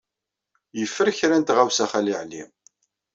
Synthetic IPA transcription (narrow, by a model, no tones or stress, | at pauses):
jəfːəɾçɾænt̪ʁæwsæχæliʕlḭm